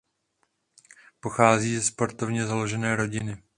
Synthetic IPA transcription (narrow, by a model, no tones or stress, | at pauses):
po̞xaːziːzɛspo̞ɾt̪o̞vɲɛzalo̞ʒɛnɛːɾo̞ɟɪnɪ